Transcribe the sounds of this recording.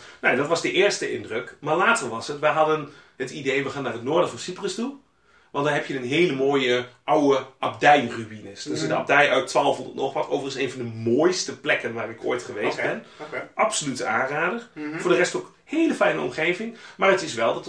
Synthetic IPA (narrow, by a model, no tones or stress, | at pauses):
nowndɔtʋɑsdəʔɪːɹstəʔɪ̰ndrøkmaːɹlaːtərʋɑsətʋɛjɦɑdənhətidejʋəχaːnaːrətnoːɹdəvɔnsiprəstu | ʋɑntdaːnɦɛpjənənɦeːləmoːjəʔawəʔap̚dɛjryʋinəsdəsɪdəɑ̰b̚dɛjʔœɥtːʋaːlˠfɔlˠdətnɔχʋɑtowvərənseːnvɑndəmoːjstəplɛkənʋaːrɪkʰo̰ːjtχəʋejstbɛnʔɑpsolytəaːnraːdərfʊːɹdərɛstok | heːləfɛjnəɔ̰mχejvɪŋmaːrətɪsʋɛlˠdɑt